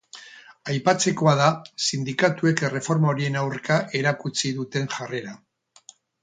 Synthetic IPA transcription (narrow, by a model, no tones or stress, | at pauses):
ajpat͡se̞ko̞að̞asind̪ikat̪ue̞kre̞fo̞ɾmao̞ɾie̞nawrkaʔe̞ɾakut͡siðut̪e̞ŋʝare̞ɾa